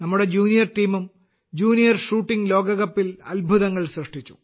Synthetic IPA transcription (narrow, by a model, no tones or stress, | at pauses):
nɐmːuɽe̞d͡ʑuːnijɐrʈiːmum | d͡ʑuːnijɐrʂuːʈːiŋɡlo̞ːɡɐɣɐpːilɐ̰lbʱuðɐŋːɐɭsrɐʂʈʰit͡ɕːu̥̰